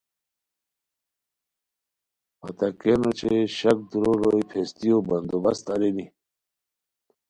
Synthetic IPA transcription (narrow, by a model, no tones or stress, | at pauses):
pɐ̰t̪ɐkenot͡ɕʰeɕɐk̚d̪uɾoɾoipʰest̪ijobɐnd̪obɐst̪ɐɾeni